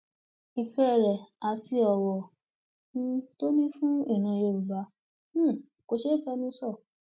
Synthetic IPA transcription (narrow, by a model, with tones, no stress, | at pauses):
i˧fɛ˦˨ɾɛ˨a˧ti˧ɔ˨wɔ˨ | nũ˧˦to˦nĩ˦fũ˦i˦˨ñã˨jo˧˨u˨bã˨˦˨ | ko˧ʃe˦i˦˨fɛ˧˦nũ˦sɔ˦˨